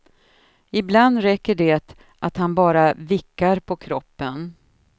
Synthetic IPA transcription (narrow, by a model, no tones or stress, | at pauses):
ɪbland̪ɾɛkːəɖɛt̪ | ʔat̪hanbɑːɾavɪkːaɾpʰɔkʰɾɔpːən